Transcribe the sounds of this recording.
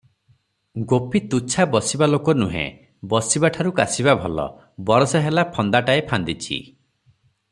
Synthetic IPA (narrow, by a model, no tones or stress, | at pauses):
ɡopit̪ut͡ʃʰabɔsibalokɔnuɦḛ̃ | bɔsibaʈʰaɾukasiβabʱɔlɔ̰ | bɔɾɔsaɦelapʰɔnd̪aʈaepʰand̪it͡ʃʰḭ